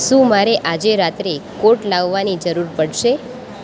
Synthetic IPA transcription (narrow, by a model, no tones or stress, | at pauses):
ʃũmaɾeʔad͡ʒeɾat̪ɾekoʈlaʋːanid͡ʒəɾuɾpəɽʃe